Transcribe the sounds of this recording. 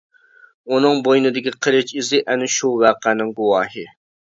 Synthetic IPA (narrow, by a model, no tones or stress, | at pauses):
unɨŋbojnɪd̪ɪkʲiqʰəɾɪt͡ʃizɪʔɛnɪʃuwæqænɪŋɡuwɑːɦɨ